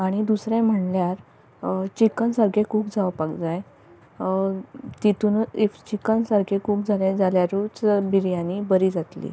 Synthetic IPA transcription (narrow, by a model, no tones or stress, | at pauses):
aɽ̃id̪usɾɛ̃m̤əɳljaɾ | t͡ɕikənsəɾɡʱekuːpd͡zaʋpakd͡zaj | t̪it̪unift͡ɕikənsəɾɡʱekuːp̚d͡zʱaljãd͡zaljaɾut͡sbiɾjanibəɾiːd͡zat̪lḭ